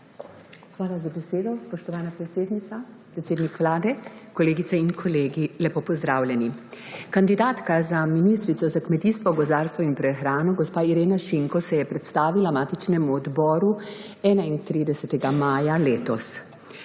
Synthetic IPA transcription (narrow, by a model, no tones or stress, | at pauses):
xʋaːlazabɛseːd̪ɔspɔʃt̪ɔʋaːnapɾɛt̪seːd̪nit̪apɾɛt̪seːd̪nikʋlaːd̪ɛkɔleːɡit̪sɛinkʰɔleːɡilɛpoːpɔzd̪ɾaːwljɛnikand̪id̪aːt̪kazaminist̪ɾit̪sɔzakmɛt̪iːst̪ʋɔɡɔzaːɾst̪ʋɔinpɾɛxɾaːnɔɡɔspaːiɾeːnaʃiŋkɔsɛjɛpɾɛt̪st̪aːʋilamaːt̪it͡ʃnɛmuɔd̪bɔːɾuɛːnaint̪ɾid̪ɛsɛt̪ɛɡamaːjaleːt̪ɔs